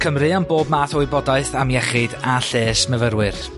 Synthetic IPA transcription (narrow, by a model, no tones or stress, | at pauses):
kʰəmrɨanboːbmaːtɔwɨbɔdaɨθamjɛχɪdaɬeːsməvəɾwɨr